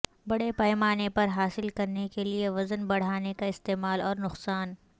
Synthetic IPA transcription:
bɐɽepɐːɪmaːnepɐɾɦaːsɪlkɐɾnekelieʋɐzənbɐɽ̤aːnekaɪst̪eːmaːlɔːɾnʊqsaːn

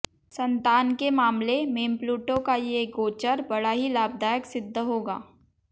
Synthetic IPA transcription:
sɐ̃nt̪aːnkemaːmlemẽːmpluːʈõkajeːɡoːt͡ʃəɾbɐɽaɦilaːb̚d̪aːjəksɪd̪ʱːɦoːɡa̰ː

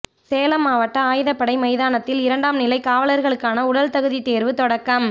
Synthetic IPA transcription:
seːlɐmaːʋɐʈːɐaːjɪðɐpːɐɽɐɪmɐɪðaːnɐt̪ːɪlɪɾɐɳɖaːmnɪlɐɪkaːʋɐlɐɾɣɐɭɯkːaːnɐʊɽɐlt̪ɐɣɯðit̪eːɾʋɯt̪ɔɽɐkːɐm

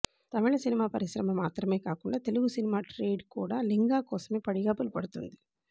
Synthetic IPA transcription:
t̪aːʋɛːɭɐsinimaːpɐɾiʃɾɐmɐmaːt̪ɾɐme̞ːkaːkuɳɖaːt̪e̞luɡusinimaːʈɾeːɖkṵːɽaːliŋɡaːkɔːsɐmeːpɐɽiɡaːpɐlpɐɽut̪ṵnd̪i

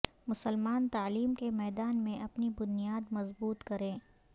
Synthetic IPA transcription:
mʊsəlmaːnt̪aːliːmkemɛːd̪aːnmẽʔɐpnibʊnijaːd̪mɐzbuːt̪kɐɾẽː

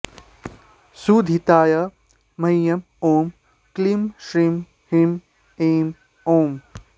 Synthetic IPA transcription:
sud̪ʱit̪aːjɐ | mɐjjɐm | oːm | klimʃɾim | him | eːm | oːm

